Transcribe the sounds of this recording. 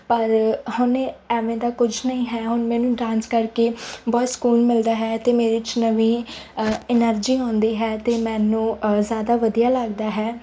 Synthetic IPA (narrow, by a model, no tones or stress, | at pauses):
pəɾhʊnɛːʋẽːd̪aːkʊd͡ʒʱnəĩːɦɛːɦʊnmɛːnũːʈɾãːnskəɾkeːbɔːt̪skuːnmɪld̪aːɦɛːt̪eːmeːɾɪt͡ʃnəʋiː | ɪnəɾd͡ʒiːãːnd̪iːɦɛːt̪eːmɛ̃ːnũːzjaːd̪aːʋəd̪ijaːləɡd̪aːɦɛː